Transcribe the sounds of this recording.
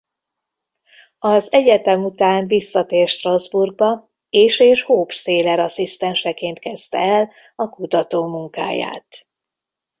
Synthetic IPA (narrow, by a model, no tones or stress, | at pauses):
ɒzɛɟɛt̪ɛmut̪aːnvisːɒt̪eːrʃt̪rɒzburɡ̚bɒ | eːʃeːʃhoːpseːlɛɾɒsist̪ɛnʃɛkeːnt̪kɛst̪ɛɛl | ɒkut̪ɒt̪oːmuŋka̰ːja̰ːt̪